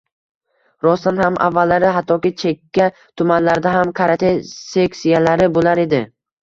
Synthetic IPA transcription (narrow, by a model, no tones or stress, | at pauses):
ɾɒst̪anhamʔa̰vːalːaɾɪɦat̪ʰːɒkʲɪt͡ʃʰekʲʰːa | t̪ʰʊmanlaɾd̪aɦamkʰaɾat̪ʰesekʲsijalaɾɪbolaɾe̞d̪ɪ